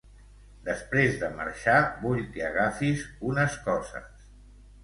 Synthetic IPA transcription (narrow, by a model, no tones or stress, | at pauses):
d̪əspɾezðəmə̰ɾʃabuʎkəəɣafizunəskɔzə̰s